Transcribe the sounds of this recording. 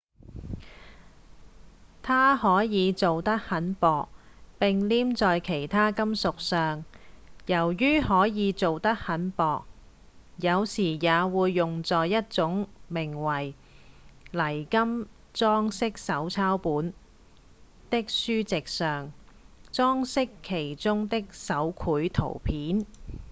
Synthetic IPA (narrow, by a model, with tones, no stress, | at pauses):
t̪ʰaː˥hɔː˨˥jiː˨˧t͡so˨wt̪ɐ˥k̚hɐ˨˥npɔː˨k̚ | pɪ˨ŋliː˥mt͡sɔː˨jkʰe˨˩jt̪ʰaː˥kɐ˥msʊ˨k̚sœː˨ŋjɐ˨˩wjyː˥hɔː˨˥jiː˨˧t͡so˨wt̪ɐ˥k̚hɐ˨˥npɔː˨k̚ | jɐ˨˧wsiː˨˩jaː˨˧wuː˨˧jːʊ˨ŋt͡sɔː˨jːɐ˥t̚t͡sʊ˨˥ŋmɪ˨˩ŋwɐ˨˩j | lɐ˨˩jkɐ˥m | t͡sɔː˥ŋsɪ˥k̚sɐ˨˥wt͡sʰaː˥wpuː˨˥n | t̪ɪ˥k̚syː˥t͡sɪ˨k̚sœː˨ŋ | t͡sɔː˥ŋsɪ˥kʰːe˨˩jt͡sʊ˥ŋt̪ɪ˥k̚sɐ˨˥wkʰuː˨˥jt̪ʰo̰˨˩wpʰiː˨˥n